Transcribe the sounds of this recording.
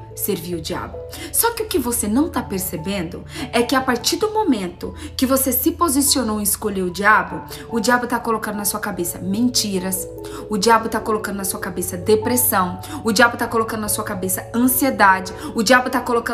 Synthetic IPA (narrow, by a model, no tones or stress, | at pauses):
seɾviɾʊd͡ʒia̰bʊ | sɔkɪʊkɪvosenɐ̃w̃t̪apeɾsebẽnd̪ʊɛkɪapaɾt͡ʃiɾd̪ʊmomẽnt̪ʊkɪvosesɪpozisionowɪɪskoʎeɾʊd͡ʒiabʊ | ʊd͡ʒiabʊt̪akolokɐ̃d̪ʊnɐsuɐkabesɐmẽnt͡ʃiɾɐs | ʊd͡ʒiablʊt̪akolokɐ̃nd̪ʊnɐsuɐkabesɐd̪epɾesɐ̃w̃ʊd͡ʒiabʊt̪akolokɐ̃d̪ʊnɐsuɐkabesɐɐ̃sied̪ad͡ʒɪʊd͡ʒiabʊt̪akolokɐ̃